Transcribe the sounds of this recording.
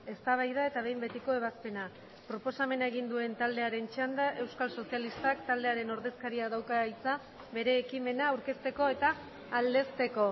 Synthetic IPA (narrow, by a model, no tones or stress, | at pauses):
e̞st̪aβ̞ajðae̞t̪aβ̞e̞jmbe̞t̪iko̞e̞βaspe̞na | pɾo̞po̞same̞naeɣ̞ind̪ue̞nt̪ald̪e̞aɾe̞nt͡ʃand̪aʔe̞wskalso̞sialist̪akt̪ald̪eaɾe̞no̞ɾðe̞skaɾiaðawkajit͡sa | βe̞ɾe̞ːkime̞naːwɾke̞st̪e̞ko̞e̞t̪aː | ld̪e̞st̪e̞ko̞